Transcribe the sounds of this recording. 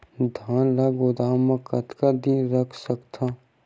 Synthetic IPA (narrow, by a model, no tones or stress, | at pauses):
d̪ʱanlaɡʊd̪aːmə̃kɐt̪kad̪iɾəkʰsəkt̪ʰa